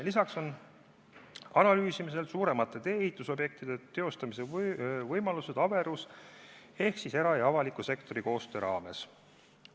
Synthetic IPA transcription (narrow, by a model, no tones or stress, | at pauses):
lisɑkso̞n | ɑnɑlyːsimise̞lsuːɾe̞mɑt̪ːˑe̞t̪e̞ːhit̪ˑːuso̞bje̞k̚t̪id̪̥e̞t̪e̞o̞st̪ɑmise̞vɤjmɑluse̞d̪̥ɑbe̞ɾus | e̞hksise̞ɾɑjɑɑvɑlikːˑuse̞kt̪o̞ɾiko̞ːst̪øɾɑːme̞s